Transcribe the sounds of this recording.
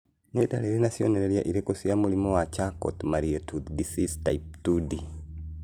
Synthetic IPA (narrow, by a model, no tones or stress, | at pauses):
netaleɾenasjoneɾeɾja̰ʔiɾekosijamulimowat͡ʃako̰tumaɾietuðdisistaiptudi